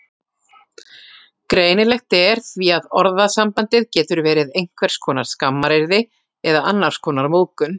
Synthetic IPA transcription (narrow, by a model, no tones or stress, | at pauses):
kɾeːjnɪlɛxt̪ɪɛɾ̥θviaðɔɾðasampant̪ɪðcɛːt̪ʏɾvɛːɾɪðejŋ̥kʰvɛɾ̥skʰɔːnaɾ̥skamːaɾeɾðɪ | ɛðaanːaɾ̥skʰɔːnaɾmoːwkʏn